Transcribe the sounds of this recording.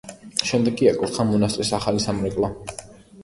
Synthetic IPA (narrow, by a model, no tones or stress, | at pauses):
ʃɛmd̪ɛɡiakʼut̪χamɔnast̪ʼɾisaχalisamɾɛkʼlˠa